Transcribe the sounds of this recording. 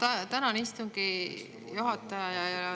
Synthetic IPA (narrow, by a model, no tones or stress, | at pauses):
t̪ɑt̪ænɑnist̪uŋɡi | juɦɑt̪ːˑɑjɑjɑejolɛ